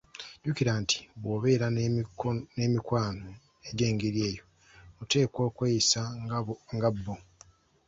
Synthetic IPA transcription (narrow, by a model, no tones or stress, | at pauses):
ɟ̥ukiɾaːnti̥βwo̞ːβe̞ːɾa | neːmikwaːno | e̞ɟe̞ːŋɡeɾje̞ːjo̞ | ute̞ːko̞ːkweːisaŋɡabːo